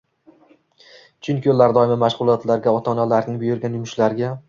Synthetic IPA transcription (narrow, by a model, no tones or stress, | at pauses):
t͡ʃʰʊŋkʲʰɪolːaɾd̪ɒjɪmɪmaʃʁʊlˠɒt̪laɾɡʲaɒt̪ʰɒnalaɾnɪŋbʊjʊɾɡʲanjʊmʊʃlaɾɡʲa